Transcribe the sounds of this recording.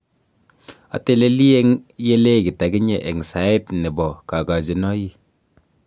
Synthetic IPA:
a̰˨te˦le˦li˦e˦ŋje˦le˦˨ki˨ta˨ɡi˦ɲe˨ʔɛ˨ŋsa˨˦e˦tnɛ˨bɔ˨ka˨ka˨d͡ʒi˨nɔ˦ji˦

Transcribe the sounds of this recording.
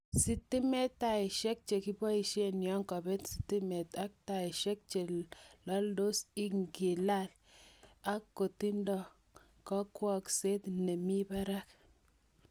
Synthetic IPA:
si˨t̪i˦me˦t̪ːa˦˨i˨ʃe˦k̚t͡ʃe˨ki˦ba˦i˨ʃi˦e˦˨njɔ˦ŋkɔ˨be˦t̪si̥˨t̪ːi˦me˨t̪a˦k̚ta˨i˨ʃe˦k̚t͡ʃe˨lɔ˦ldo˦si˦ŋɡi˨la˦˨l | a˦kːo˨t̪i˦ndɔ˨ | kɔ˦kwɔ˦kse˦t̪ne˨mi˦ba˦ɾa˦k

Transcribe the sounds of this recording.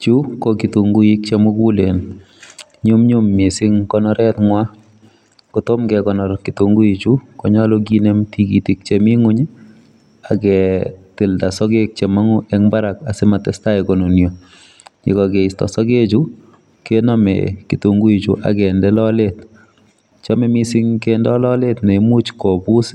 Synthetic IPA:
t͡ʃu˦koki˨tu˨ŋɡu˦i˦k̚t͡ʃe˦mʊ˦ku˦le˨n | ɲu˦mɲu˦mːɪ˨sɪ˦ŋkɔ˦nɔ˦ɾɛtŋwa˦ | koto˦mkɛkɔnɔ˨ɾki˨tu˨ŋɡu˦i˨t͡ʃu˦kɔ˨ɲɔ˦lɔk̬i˦ne˦mtʰi˦ki˨ti˨k̚t͡ʃemi˦ŋu˦ɲ˦ | a˨kɛtɪ˨lda˨sɔ˦ke˦k̚t͡ʃe˨ma˦ŋu˦ʔɛŋba˦ɾa˨ka˨sɪ˦ma˨tɛ˦sta˦ikɔ˨no˨njo˨ | kḭ˨kɔ˨ke˨i˨stɔ̰˨sɔ˦ke˦t͡ʃu˦ | kenɔ˦mɛ̰ki˨to˨ŋɡu˦i˨t͡ʃu˨ʔa̰˨kɛndɛ˦lɔ˦let | t͡ʃɔ˦mɛ˦mɪ˦sɪ˦ŋkɛndɛ˦lɔ˦le˦tne˨˦mu˦t͡ʃkɔ˨bu˦s

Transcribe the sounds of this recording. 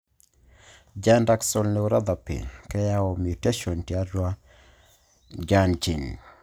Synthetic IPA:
d͡ʒandaksɔlne˨uɾa˦d̪a˨pɪ̰˨kɛ˦jaɔ˨mjute˦ʃɔ˨ntja˦ɾwa˦ | d͡ʒant͡ʃi˨n

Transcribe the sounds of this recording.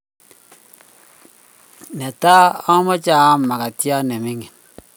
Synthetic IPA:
ne˨ta˦ɔ˦mɔ˦t͡ʃa˦˨a˦ma˨ka˨tja˦ne˨mi˦ŋi˨n

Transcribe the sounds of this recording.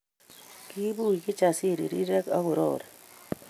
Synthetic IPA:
ki˦bu˦i˨ki˦t͡ʃa˨si˦˨ɾḭ˨ɾi˦ɾe˦kɐ̰˦bo˨ɾo̰ːɾ

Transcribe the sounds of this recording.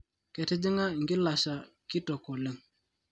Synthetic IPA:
kɛ˨tɪ˦dɪ˦ŋa˦˨ŋɡɪ˦la˨ʃa˨ | kɪ˦tɔ˨kɔ˨lɪ˦ŋ

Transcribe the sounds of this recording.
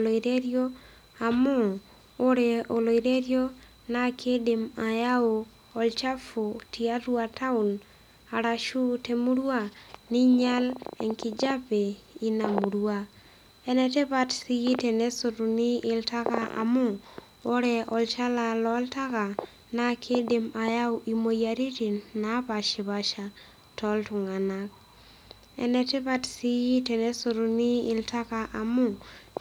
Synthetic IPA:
lo˨iɾe˦ɾjo˦ | a˨mɔ˦ | o˦ɾɛ˨o˨lo˨iɾe˦ɾjo˦ | na˦kʰe˦de˨ma˨ja˦o˨ | ɔ˨lt͡ʃa˦fo˨tʰia˦ɾu˦a˨tʰa˦u˨n | a˨ɾa˨ʃu˦te˨mu˦ɾu˦a˦ni˦ɲa˦lɛ̰˨ŋkid͡ʒa˦pe˨i˦na˨mu˨ɾwa | ɛ˦nɛ˨tɛ˦βatsi˦ji˦tɛ˨nɛ˦so˨ɾu˨ni˦ɪ˨lta˦kaʔa̰˨mʊ˦ | o˦ɾɛ˦ɔ˨lt͡ʃa˦la˨lɔ˨˦lta˦ka˨ | na˦kʰe˦de˨ma˨ja˦wʔi˨mo˨ja˨ɾi˦ti˨nna˨˦pa˨ʃi˨βa˨ʃa˨ | tɔ˨ltʊ˨ŋa˨nak̚ | ɛ̰˨nɛ˨te˦pa˦tsi˦ji˦te˨nɛ˦soɾu˨ni˦ɪ˨lta˦ka˨ʔa˨mʊ˦

